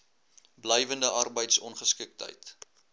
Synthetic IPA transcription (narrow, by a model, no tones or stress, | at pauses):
blɛjvəndəʔɐrbəjtsɔnχəskik̚tɦə̰jt